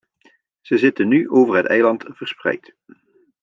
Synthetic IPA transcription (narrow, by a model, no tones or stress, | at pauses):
z̥əzɪtənːyʔowvəɹɦətɛjlɑntv̥əɹsprɛ̰jt